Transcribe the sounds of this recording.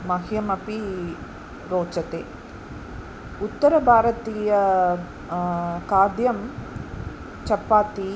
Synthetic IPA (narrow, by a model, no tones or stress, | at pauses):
mɐɦijɐmɐpi | ɾoːt͡ʃɐt̪eː | ut̪ːɐɾɐbʱaːɾɐt̪iːjɐ | kaːd̪jɐm | t͡ʃɐpːaːt̪i